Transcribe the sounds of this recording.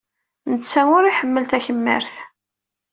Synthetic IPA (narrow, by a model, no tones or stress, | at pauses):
nət͡sːæʊɾiħəmːəlθæçəmːə̰ɾθ